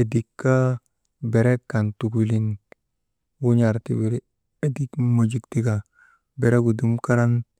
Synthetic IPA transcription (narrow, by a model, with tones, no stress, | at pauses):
e˨di˨kːa˦ | be˨ɾe˦kːa˨ntu˨ku˨li˨n | wu˦ɲa˨ɾtḭ˦bi˨ɾi˦ | e˨di˦kmo˨d͡ʒi˦kti˦ka˨ | be˨ɾe˦ku˨du˦mka˦ɾa˦n